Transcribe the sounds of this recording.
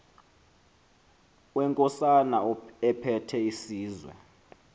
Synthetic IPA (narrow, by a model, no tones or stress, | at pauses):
wɛŋkʼɔsanaɛpʰɛtʰɛisiːzwɛ̰